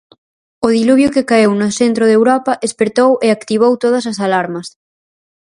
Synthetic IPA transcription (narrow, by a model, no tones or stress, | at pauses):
oð̞iluβ̞jokekaewnoθent̪ɾoðewɾɔpɐʔespeɾt̪owʔeakt̪iβ̞owt̪oðɐs̬asalaɾmɐs